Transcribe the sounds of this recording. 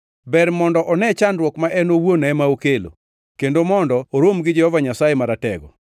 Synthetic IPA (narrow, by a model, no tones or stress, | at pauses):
bɛɾmɔndɔʔɔnɛt͡ʃanɾwɔkmaʔɛnowonɛmaokelo̰ | kendomɔndɔːɾomɡɪd͡ʒɛhɔvaɲasajemaɾatɛɡɔ